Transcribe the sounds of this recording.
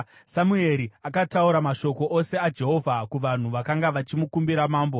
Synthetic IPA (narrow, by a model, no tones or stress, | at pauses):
samue̞ɾiakatauɾamaʃo̞ko̞ʔose̞ad͡ʒe̞ɦo̞vʱakuʋan̤uʋakaŋɡaʋat͡ʃimukumbiɾamaːmbo